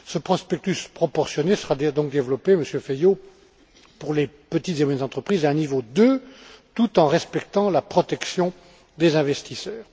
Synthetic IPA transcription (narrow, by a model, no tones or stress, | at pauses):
səpχɔspɛk̚t̪yspχɔpɔʁsjɔnesəʁad̪ɔ̃k̚d̪evlɔpeməsjøfejo | puʁlepət̪it̪zemɛnzɑ̃t̪χəpχizɛ̃nivod̪øt̪ut̪ɑ̃ʁɛspɛkt̪ɑ̃lapχɔt̪ɛksjɔ̃ | d̪ezɛ̃vɛst̪isœːʁ